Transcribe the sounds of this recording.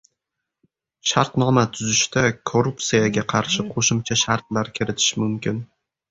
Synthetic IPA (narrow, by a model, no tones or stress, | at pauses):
ʃaɾt̪nɒmat̪ʰʊzɪʃt̪akʰoɾupt̪sijaɡʲaqʰɑɾʃɪqʰoʃɪmt͡ʃʰaʃaɾt̪̚laɾkʲʰɪɾɪt̪ʰɪ̥ʃmʊmkʲɪn